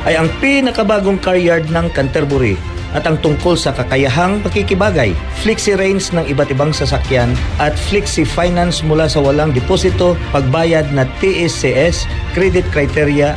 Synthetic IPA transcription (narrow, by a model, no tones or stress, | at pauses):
ʔɐjɐŋpinɐkɐbaːɡoŋkaɹjaɹd̪̚nɐŋkɐnt̪ɛɾbʊɾi | ʔɐt̪ʔɐŋt̪ʊŋko̞lsɐkɐkɐjɐɦaŋpɐkikɪbaːɡɐj | fliksɪɾɛjnsnɐŋɪbat̪ɪbaŋsɐsɐkjanʔɐt̪̚fliksɪfajnansmʊlasɐwɐlaŋd̪ɪpoːsɪt̪o̞pɐɡ̚baːjɐd̪̚nɐt̪iʔɛsɛʔɛs | kɾɛd̪ɪt̪̚kɾɐjt̪ɛɾjɐ